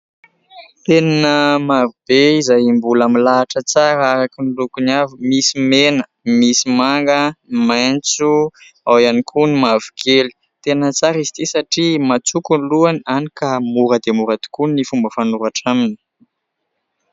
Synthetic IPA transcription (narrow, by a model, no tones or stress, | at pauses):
t̪eninəmavib̥eizajimbulamilaːʈ͡ʂət͡saɾaɾakinlukuniavimisimenə | misimaŋɡəmajnt͡su | awjanikʰunimavikʰeli̥ | t̪enət͡saɾizi̥t̪isaʈ͡ʂimat͡sukunluananikamuɾəd̪emuɾad̪̥i̥kunnifumbəfanuɾaʈ͡ʂaminii̥